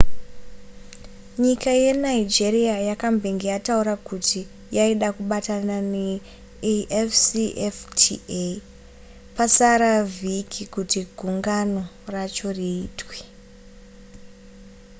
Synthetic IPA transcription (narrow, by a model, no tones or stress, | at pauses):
ɲikaje̞naid͡ʒeriajakambʱeŋɡijatauɾakuti | jaiɗakuɓatanane | eʔefsiʔeftʰie | pasaɾavikʰikutiɡʱuŋɡano̞ | rat͡ʃo̞riːtwe̥